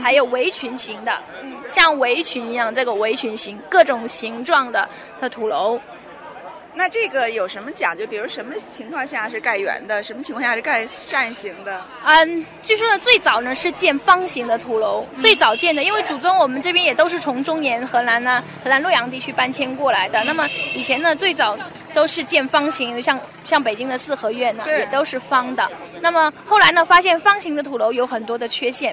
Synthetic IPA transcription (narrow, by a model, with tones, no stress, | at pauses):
xa˧˥ɪjo˨˩ʊwe˧˥ɪt͡ɕʰy˧˥nɕi˧˥ŋd̪ə̰˧ɕjɑ˥˩ŋwe˧˥ɪt͡ɕʰy˧˥ni˧˥jɑ˥˧ŋʈ͡ʂɤ˥˩ɡə˩we˧˥ɪt͡ɕʰy˧˥nɕi˧˥ŋkɤ˥˩ʈ͡ʂʊ˨˩ŋɕi˧˥ŋʈ͡ʂwɑ˥˩ŋd̪ə˩ | d̪ə˧t̪ʰu˨˩lo˧˥ʊ | na˥˧ʈ͡ʂɤ˥˩ɡə˩jo˨˩ʊʂə˧˥nmə˧t͡ɕjɑ˨˩ŋt͡ɕjpi˨˩˧ʂə˧˥nmə˧t͡ɕʰi˧˥ŋkʰwɑ˥˧ŋɕja˥˩ʂɻ̩˥˧ka˥˩ɪɥɛ̰˧˥nd̪ə˨ʂə˧˥nmə˩t͡ɕʰi˧˥kʰwɑ˥˧˩ɕja˥˧˥ɻ̩˥˧˥ka˥˧ɪʂa˥˩nɕi˧˥ŋd̪ə˧ | ə˧t͡swi˥˩ʂwɔ˥d̪ə˨t͡swe˥˩ɪt͡sɑ˨˩ʊnə˦ʂɻ̩˥˧t͡ɕjɛ˥˩nfɑ˥ŋɕi˧˥ŋd̪ə˧t̪ʰu˧˥lo˧˥ʊt͡swe˥˩ɪt͡sɑ˨˩ʊt͡ɕjɛ˥˩nd̪ə˩i˥nwe˥˩ɪt͡su˨˩t͡sʊ˥ŋwɔ˨˩mə˦nʈ͡ʂɤ˥˩pjɛ˥njɛ˨˩t̪o˥ʊʂ̬ɻ̩˥˩t͡sʰʊ˧˥ŋʈ͡ʂʊ˥ŋnjɛ˧˥nxɤ˧˥na˧˥nə˧˥xɤ˧˥na˧˥nlɔ˥˩jɑ˧˥ŋt̪̬i˥˧t͡ɕʰy˥˧˩pa˥nt͡ɕʰjɛ˥nkwɔ˥˩la˧˥ɪd̪ə˧na˥˩mə˩i˨˩t͡ɕʰjɛ˧˥nə˧t͡swe˥˩ɪt͡sɑ˨˩ʊ | t̪o˥ʊʂɻ̩˥˧t͡ɕjɛ˥˩nfɑ˥ŋɕi˧˥ŋjɕjɑ˥˧ŋ | ɕjɑ˥˩ŋpe˨˩ɪt͡ɕi˥ŋd̪ə˨sɹ̩˥˩xɤ˧˥ɥɛ˥˩nə˩jɛ˨˩t̪o˥ʊʂɻ̩˥˩fɑ˥ŋd̪ə˨na˥˩mə˩xo˥˩ʊla˧˥ɪnə˧fa˥ɕjɛ˥˩nfɑ˥ŋɕi˧˥ŋd̪ə˧t̪ʰu˧˥lo˧˥ʊjo˧˥ʊxə˨˩nt̪wɔ˥d̪ə˨t͡ɕʰɥɛ˥ɕjɛ˥˩n